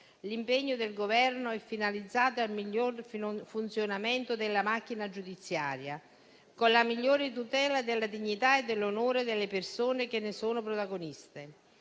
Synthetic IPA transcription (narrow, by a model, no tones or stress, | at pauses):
limpeɲːʊd̪elɡovɛrnoɛfːinalid̪zːaːt̪oalmiʎːorfunt̪sjonamɛnt̪ʊd̪elːamak̟ːinad͡ʒud̪it̪sːja̰ːɾja | konlamiʎːoːɾɪt̪ut̪ɛːlad̪elːad̪iɲːit̪aed̪ːelːonoːɾed̪elːepersoːnek̟enːesoːnʊpɾot̪aɡonist̪e